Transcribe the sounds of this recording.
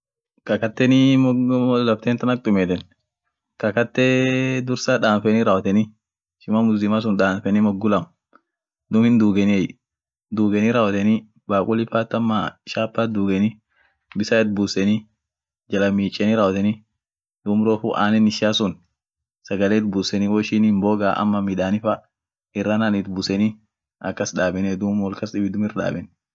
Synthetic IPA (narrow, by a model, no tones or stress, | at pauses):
kɐkɐt̪ːɛnimɔɔlɐb̚t̪eːnt̪ɐnɐk̚ʼt̪ʼʊmeːt̪ɛn | kɐkɐt̪ːed̪ʊɾsaːᶑaːnfɛniːɾaːwɐt̪ɛni | ʃɪmaːmʊslɪmas̬ʊnᶑaːnfɛnimɔɡʊlɐm | d̪ʊmɪnd̪uːɡɛnɪɛj | d̪uːɡɛniɾaːwɐt̪ɛni | baːkʼʊlɪfaːt̪ːɐmːa̰ʃaːpːaːd̪uːɡɛnɪ | bɪsaɛt̪̚buːsɛnɪ | d͡ʒɐlɐmiːt͡ʃʼːɛnɪɾaːwɐt̪ɛnɪ | d̪̥uːmɾoːfʊʔa̰ːnɛnɪʃaːsʊn | sɐɡɐleːt̪̚busɛnɪwɔʃiːnhɪmboːɡaːʔɐ̰mːɐmɪᶑ̪aːnɪfɐ | ɪrːananɪt̪bʊsɛnɪ | ɐkːɐsᶑaːbɛnɛd̪uːmwɔlkɐsɗɪbɪd̪ʊmɪrᶑa̰ːbɛn